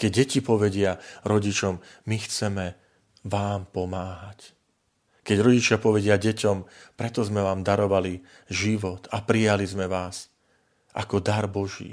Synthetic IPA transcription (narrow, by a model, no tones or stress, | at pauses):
kɛɟːɛcipɔʋɛɟɪaɾɔɟit͡ʃɔmː | ixt͡sɛmɛ | ʋaːmpɔmaːɦac | kɛɟɾɔɟit͡ʃɪapɔʋɛɟɪaɟɛcɔmpɾɛt̪ɔzmɛʋaːmd̪aɾɔʋali | ʒiʋɔt̪ʰapɾijalizmɛʋaːs | ʔa̰kɔd̪aɾbɔʒḭː